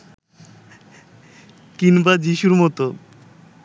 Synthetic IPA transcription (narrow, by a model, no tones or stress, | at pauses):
kinbad͡ʑiʃuɾmɔt̪o